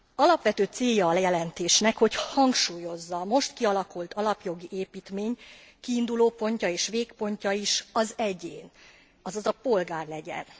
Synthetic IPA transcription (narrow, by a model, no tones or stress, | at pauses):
ɒlɒpʋɛt̪øːt̪seːjːɒːlɛjɛlɛnt̪eːʃnɛkho̞chɒŋkʃuːjo̞zːɒmo̞ʃt̪kiɒlɒkult̪ɒlɒpjo̞ɡiʔeːpiːt̪meːɲ | kiːnd̪uloːpo̞ɲcɒeːʃʋeːkpo̞ɲcɒiʃɒzɛɟeːn | ɒzɒzɒpo̞lɡaːrlɛɟɛ̰n